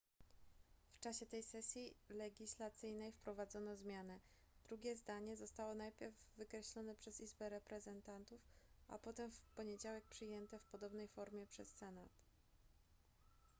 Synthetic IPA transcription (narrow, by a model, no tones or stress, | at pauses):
ft͡ʂaɕɛt̪ɛjsɛsʲjilɛɡʲislat̪sɘjnɛjfpɾɔvad̪zɔnɔzmʲjanɛ | d̪̥ɾuɡʲjɛzd̪aɲɛzɔst̪awɔnajpʲjɛɾvːɘkɾɛɕlɔnɛpʂɛzizbɛɾɛpɾɛzɛnt̪ant̪ufʔa̰pɔt̪ɛmfpɔɲed͡ʑawɛk̚pʂɘjɛnt̪ɛfpɔd̪ɔbnɛjfɔɾmʲjɛpʂɛsːɛnat̪